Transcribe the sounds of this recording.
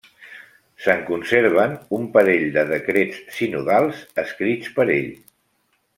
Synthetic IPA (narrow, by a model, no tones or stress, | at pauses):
səŋkunseɾβ̞ənumpəɾeʎd̪əð̞əkɾet͡ssinuðalˠzəskɾit͡spəɾḛʎ